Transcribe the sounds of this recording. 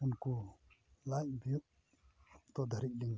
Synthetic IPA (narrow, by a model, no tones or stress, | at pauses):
unku | lac̚bijuʔ | t̪ɔd̪ʱəɾit̪̚liŋ